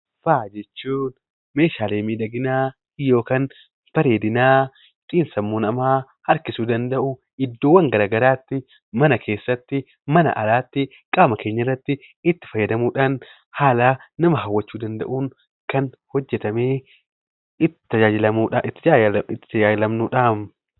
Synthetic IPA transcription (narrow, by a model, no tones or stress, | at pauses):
faːd͡ʒɛt͡ʃːuːn | me̞ːʃaːleːmiːd̪ɐɡɪnaː | jo̞ːkaːn | fɐɾeːd̪ɪnaː | t̪ʼiːnsɐmːoːnɐmaː | ɐɾkɪsuːd̪ɐnd̪ɐʔʊ | ɪd̪ːoːwɐŋɡɐɾaːɡɐɾaːt̪ːɪ | mɐnɐkʰe̞ːsːɐt̪ːɪ | mɐnɐ̰ʔɐ̰laːt̪ːɪ | kʼaːmɐkʰe̞ːɲːɐrːɐt̪ːɪ | ɪt̪ːɪ̥fɐjːɐd̪ɐmuːᶑaːn | haːlaːnɐmɐɦɐwːɐt͡ʃːuːd̪ɐnd̪ɐ̰ʔuːŋ | kɐn | hɔd͡ʒːɛt̪ɐmeː | ɪt̪ːɪ̥t̪ːɐd͡ʒaːd͡ʒɪlɐmuːaʔɪt̪ːɪɪt̪ːɪ̥t̪ɐd͡ʒaːd͡ʒɪlɐmnuːᶑaːm